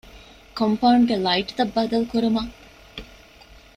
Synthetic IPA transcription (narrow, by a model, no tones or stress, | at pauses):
kompɐuɳɖɡelɐiʈt̪ɐbːɐd̪ɐlukuɾumɐ